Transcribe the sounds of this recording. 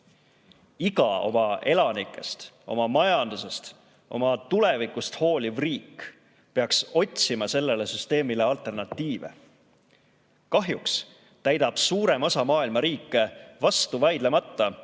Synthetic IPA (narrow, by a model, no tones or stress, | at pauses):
iɡɑ̰o̞̰mɑe̞lɑnikːˑe̞̰st̪o̞̰mɑmɑjɑnd̪̥use̞st̪ | ʔo̞̰mɑt̪ule̞vikˑust̪ho̞ːlʲivriːk | pe̞ɑkso̞t̪ʲsimɑse̞lːe̞lesyst̪e̞ːmile̞ɑlt̪ˑe̞rnɑt̪ːiːve̞̰ | kɑɦjuks | t̪æjd̪ɑb̥suːɾe̞mo̞sɑmɑːilmɑɾiːkːˑe̞vɑst̪uvɑjd̪̥le̞mɑt̪ːɑ